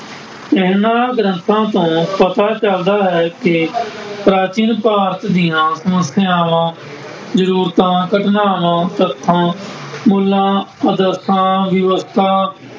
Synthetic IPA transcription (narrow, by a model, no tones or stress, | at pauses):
ɪɦnãːɡɾə̃nt̪ʰãːt̪õːpət̪aːt͡ʃəld̪aːɦɛːkɪpɾaːt͡ʃinpaːɾt̪d̪ɪjãːsəməsjãːʋãː | zəɾuːɾt̪ãːkəʈnaːʋãːt̪ət̪ʰːãːmuːlãːəd̪əɾt̪ʰãːʋɪʋəst̪ʰaː